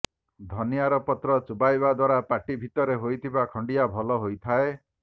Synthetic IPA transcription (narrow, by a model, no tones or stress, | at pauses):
d̪ʱɔniaɾɔpɔt̪ɾɔt͡ʃubajbad̪waɾapaʈibʱit̪ɔɾeɦojt̪ʰibakʰɔɳɖijabʱɔlɔɦojt̪ʰae